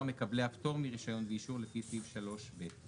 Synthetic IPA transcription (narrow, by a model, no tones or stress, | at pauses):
me̞kableapto̞ʁmiʁiʃajo̞nveiʃuʁlefisivʃalo̞ʃbet